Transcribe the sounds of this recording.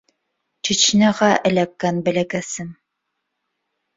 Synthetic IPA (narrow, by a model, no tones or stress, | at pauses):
t͡ʃĭt͡ʃnæʁæʔɘ̆lækːænbæ̆lækæsɘm